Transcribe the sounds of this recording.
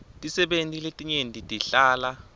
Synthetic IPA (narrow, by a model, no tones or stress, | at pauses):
tʼisɛɓentʼiletʼiɲendʱʼitʼiɬaːla